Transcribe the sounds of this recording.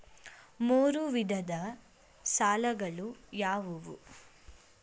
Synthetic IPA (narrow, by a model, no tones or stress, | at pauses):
moːɾuʋid̪ʱɐd̪ɐ | saːlɐɡɐɭujaːʋuʋṵ